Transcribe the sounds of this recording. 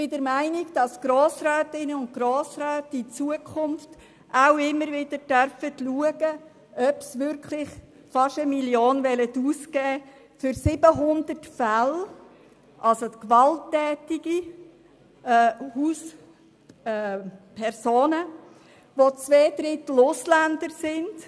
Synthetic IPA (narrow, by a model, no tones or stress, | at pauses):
b̥ɪdəɾmæɪnɪɡd̥ɑsɡ̥ɾoːsɾœːtɪnəʊn̚ɡɾoːsɾœːtit͡suəkʰʊnft | ʔaʊɪmːəɾʋɪd̥əɾd̥œɾfətluəɡə | œpsʋʏɾkʰlɪχ | fɑʃəmiljoːnvɛlətuːskɛː | fʏɾsɪb̥əɦʊnd̪ərtfæl | ʔɑlsot̪kʋɑltːɛːtiɡi | huːs | pʰɛɾsoːnə | ʋot͡sʋeːd̥̪ɾɪt̪l̩ʊslænd̪əɾsɪnd̥